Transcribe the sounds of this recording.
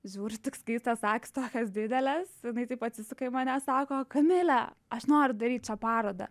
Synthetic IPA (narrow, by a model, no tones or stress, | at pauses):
ʒʲuːɾʲɪt̪ʊksʲkʲiːst̪ɐssɑːkʲɪ̥st̪oːkʲɐsd̪ʲɪd̪ʲɛlʲɛsjɪnɐɪt̪ɐɪpɐt̪ʲsʲɪsɐkɐɪmɐnʲɛsɑːkoːkɐmʲɪlʲɛɐʃnoːɾʲʊd̪ɐɾʲiːt̪̚ʲt͡ʃʲɛpɑːɾoːd̪ɐ̰